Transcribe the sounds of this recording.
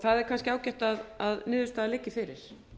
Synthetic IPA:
θaðɛɾkʰanscɪaːwcɛht̪aðaðnɪːðʏst̪aðlɪcːɪfɪɾɪ̰ɾ̥

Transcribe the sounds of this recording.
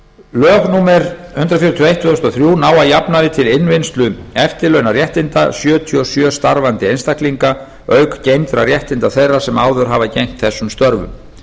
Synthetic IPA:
lœːɣnuːmɛɾhʏnt̪ɾafjiɾʏt̪ʰiejht̪ʰːʏðɔst̪ɔθɾjuːnaːwajapnaðɪt̪ʰɪlɪnvɪnst̪lʏɛft̪ɪlœɥnarjɛht̪ɪnt̪a̰sjœːt̪ʰiɔsjœːst̪aɾvant̪ɪejnst̪ahkliŋka | œːɥkcejmt̪ɾaɾjɛht̪ɪnt̪aθejrːḁsɛmaːwðʏɾ̥ɦavacejŋ̥t̪θɛsːʏmst̪œɾvʏ̰m

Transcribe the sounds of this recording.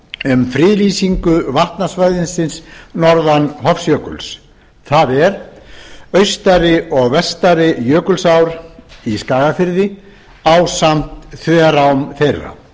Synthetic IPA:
ʏmfɾɪːlisiŋkʏvaht̪nasvajðɪnsɪnsnɔɾðanɦɔfsjœːkʏ̰ls | θaðɛɾ | œɥst̪aɾɪɔɣvɛst̪aɾɪjœːkʏlsawɾiskaːɣafɪɾðɪ | awsam̥t̪θvɛːɾaʏmθejra̰

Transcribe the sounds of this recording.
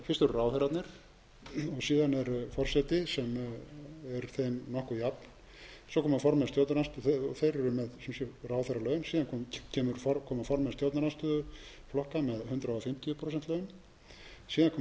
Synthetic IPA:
fɪst̪ʏɾʏraːwθɛɾat̪nɪɾ̥ | ɔɣsiːðanɛɾfɔr̥sɛjt̪ɪsɛm | ɛɾθejmnɔhkʏjapn̥ | sɔwkʰɔːmafɔɾmaðst̪jɔwt̪naɾanst̪ʏɔθejɾɛɾʏmɛðsɛmsɛraːwθɛɾalœːɥʏnsiːðankʰcʰɛːmʏɾfɔkʰɔːmafɔɾmast̪jɔwt̪naɾanst̪ʏ | flɔhkamɛðhʏnt̪ɾaɔfɪm̥t̪ijʏpʰɾoːs̬ɛnt̪lœːɥʏm | siːðankʰɔː

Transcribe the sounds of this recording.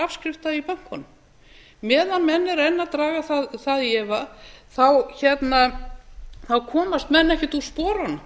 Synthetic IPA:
afskɾɪft̪aipœn̥kɔnʏm | mɛːðanmɛnːɛɾɛnːat̪ɾaːɣaθaðθaðjɛvaθawçɛt̪na | θawkʰɔːmast̪mɛnːɛhcɪt̪uspɔːɾanʏ

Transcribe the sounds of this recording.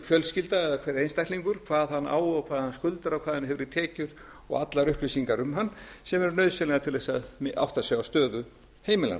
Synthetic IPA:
fjœlscɪlt̪aɛðakʰvɛɾɪɾejnst̪ajktliŋkʏɾ̥kʰv̥aːðhanːa̰ːwɔkʰvaːðhanskʏlt̪aɾawkʰvaːðɪnhɛvʏɾɪt̪ʰɛːcʏɾ̥ | ɔ̰ɣat̪laɾʏhplisiŋkaɾʏmɦanːsɛmɛɾnœɥðsɛlɛɣat̪ʰɪlðɛsaðma̰wht̪asjawast̪œːðʏ | heːjmɪla̰n

